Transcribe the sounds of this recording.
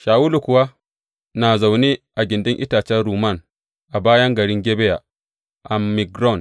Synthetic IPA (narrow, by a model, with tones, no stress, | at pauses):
ʃaː˨wu˦lu˨kʊ˨wa˦ | na˨za˨wni˦ʔa˨ɡʲɪ˨ndi˦ŋʔḭ˦ta˨t͡ʃɛ˦ɾuː˨ma˦˨n | ʔa˨baː˦jɐ˦ŋɡɐ˨ɾi˦ŋɡʲe˦be˦ja˨ | ʔa˨mmi˨ɡɾɔ˦˨n